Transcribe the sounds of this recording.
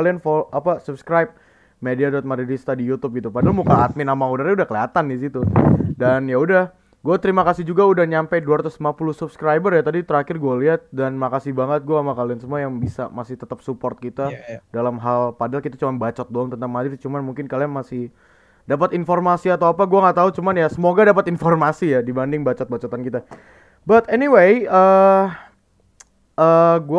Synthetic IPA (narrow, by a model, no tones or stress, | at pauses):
lianfɔapasupskɾajp̚ | mediadɔt̪̚maɾidist̪adijut̪ʊp̚ɡit̪upadalmukaːt̪̚mɪnamaŋudaɾaudahkəliat̪andis̬it̪udanjaudah | ɡuat̪əɾimakasɪhd͡ʒuɡaudahɲampajduaɾat̪ʊslimapulʊhsubskɾajbərjat̪adit̪əɾakɪrɡualiɦat̪̚danmakasɪhbaŋət̪̚ɡuaːmakaliansəmuajaŋbisa̰masɪht̪ət̪əp̚supɔrt̪̚kit̪adalamɦalpadalkit̪at͡ʃumanbat͡ʃɔt̪̚dɔlŋt̪ənt̪aŋmadɪrt͡ʃumanmuŋkɪnkalianmasɪh | dap̬at̪informasiat̪awapaɡuaŋaʔt̪aut͡ʃumanjasəmoɡadapat̪informasijadibandɪŋbat͡ʃɔt̪̚bat͡ʃɔt̪ankit̪a | bat̪ɛniwejə | əɡu